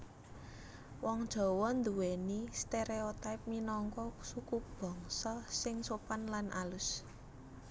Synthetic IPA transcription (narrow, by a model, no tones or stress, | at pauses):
wɔŋd̥ʒ̥ɔ̤wɔnd̪uwenist̪eɾeot̪ajp̚minɔŋkɔsukub̥ɔ̤ŋsɔsɪŋsopanlanʔa̰lʊs